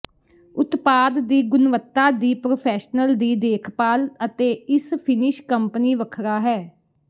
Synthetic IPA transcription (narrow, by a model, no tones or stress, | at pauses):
ʊt̪paːd̪ːiːɡʊnʋət̪ːaːd̪iːpɾoːpʰɛːʃnəld̪iːd̪eːkʰpaːlət̪eːɪspʰɪnɪʃkəmpəniːʋəkʰɾaːɦɛː